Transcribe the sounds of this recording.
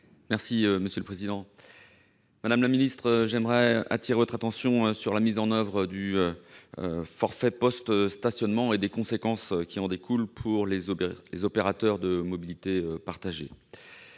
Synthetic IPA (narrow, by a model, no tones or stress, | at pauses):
mɛʁsiøməsjøləpχezid̪ɑ̃ | mad̪amlaminist̪χəʒɛmʁɛa̰t̪iʁevɔt̪χat̪ɑ̃sjɔ̃øsyʁlamizɑ̃nœvʁəd̪yøø̰fɔʁfɛpɔst̪st̪asjɔnmɑ̃ed̪ekɔ̃sekɑ̃skʲiɑ̃d̪ekulpʰuʁlelezɔpeʁat̪œʁd̪əmɔbilit̪eøpaʁt̪aʒe